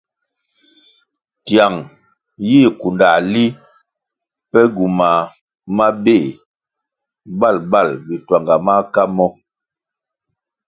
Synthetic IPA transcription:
tja˨ŋ | ji˦˨ku˨nda˨li˦ | pɛ˦ɡu˨ma˨ | ma˦be˦˨ | ba˦˨lba˦˨lbi˨twa˨ŋɡa˨ma˦ka˦mɔ˦

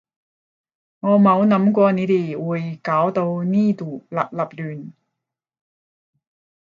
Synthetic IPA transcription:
ŋɔː˨˧mɐ˨˧wnɐ˨˥mkʷɔː˧ne˨˧t̪eː˨˩wuː˨jkaː˨˥wt̪o˧wniː˥t̪uː˨˩lɐ̰˨˩p̚lɐ˨˩p̚lyː˨˩n

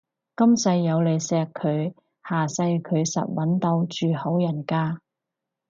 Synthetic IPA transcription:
kɐ˥msɐ˧jːɐ˨˧wle˨˧jsɛː˧kʰːɵ˨˧ɥ | haː˨˩sɐ˧jkʰɵ˨˧ɥsɐ̰˨t̚wɐ˨˥nt̪o˧wt͡ʃyː˨ho˨˥wjɐ˨˩nkaː˥

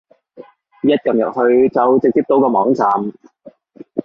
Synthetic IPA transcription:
jɐ˥t̚kɐ˨mjɐ˨t̚hɵ˧ɥt͡sɐ˨wt͡sɪ˨k̚t͡siː˧p̚t̪o˨˥wkɔː˧mɔː˨˥ŋt͡saː˨˧m

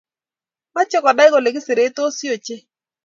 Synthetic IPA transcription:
ma˦t͡ʃɔ˦kɔ˨da˦ɪ˦ko˨le˨kɪ˦sɪ˨ɾe˨˦to˦si˦o˨t͡ʃe˦

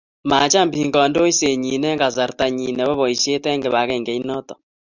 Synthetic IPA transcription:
maː˨t͡ʃa˦mbii˨ŋɡɔ˨ndo˦i˦se˨ɲi˨nɛ˦ŋɡa˨za˨ɾta˨ɲi˨nɛ˨βɔ˦βɔ˨i˨sje˦tɛ˦ŋɡe˨βa˨ɣɛ˨ŋɡe˨i˦nɔ˦tɔ˨

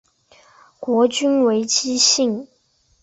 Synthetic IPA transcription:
kwɔ˧˥t͡ɕy˥nwe˧˥ɪt͡ɕi˥ɕi˥˩ŋ

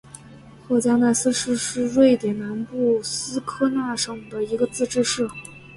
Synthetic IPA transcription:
xwɔ˥˩t͡ɕja˥ŋna˥˩ɪsɹ̩˥ʂɻ̩˥˧ʂɻ̩˥˧ɻwe˥˩ɪt̪jɛ˨˩nna˧˥npu˥˩sɹ̩˥kʰɤ˥na˥˩ʂɤ˥˩ŋd̪ə˩i˧˥ɡə˧t͡sɹ̩˥˧ʈ͡ʂɻ̩˥˧ʂɻ̩˥˩

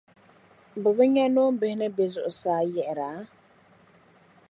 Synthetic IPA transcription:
bʊ˨bə˦ɲa˦no˦m˦be˨hne˦be˨zʊ˨ʔsaː˨˦jɛ˨ʔɾa˨˦

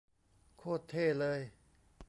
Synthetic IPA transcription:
kʰoː˥˩t̪ʰːeː˥˩lɤː˧j

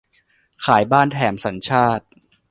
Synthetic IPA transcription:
kʰaː˩˦jbaː˥˩nt̪ʰɛː˩˦msa˩˦nt͡ɕʰaː˥˩t̪̚

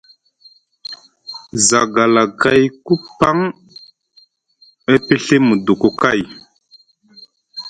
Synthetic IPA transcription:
za˨ɡa˨la˨ka˦jku˦pa˦ŋ | e˦pi˦ɬe˦mu˨du˨ku˨ka˦˨j

